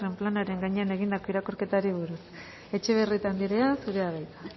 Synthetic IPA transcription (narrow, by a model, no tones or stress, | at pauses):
re̞mplanaɾe̞ŋɡaɲe̞ane̞ɣind̪ako̞iɾako̞ɾke̞t̪aɾiβ̞uɾus | e̞t͡ʃe̞β̞e̞rit̪and̪iɾe̞asuɾe̞aβajt̪a